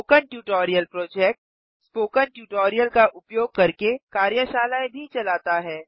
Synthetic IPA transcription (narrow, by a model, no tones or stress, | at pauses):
oːkənʈjuːʈɔːɾijəlpɾoːd͡ʒɛːk̚ʈ̚ | spoːkənʈjuːʈoːɾijəlkaʔʊpjoːɡ̚kɐɾkekaːɾjəʃaːlaːebʱit͡ʃɐlaːt̪aɦɛː